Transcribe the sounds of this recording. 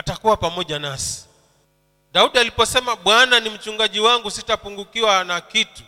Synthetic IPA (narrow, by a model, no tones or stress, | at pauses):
atakuwapamɔʄanasi̥ | ɗauɗialipɔsɛmaɓwananim̩t͡ʃuŋɡaʄiwaŋɡusitapuŋɡukiwanakitu